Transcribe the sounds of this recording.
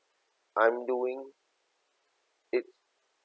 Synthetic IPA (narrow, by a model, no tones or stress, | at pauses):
ʔãj̃mduɪ̃ŋ | ɪt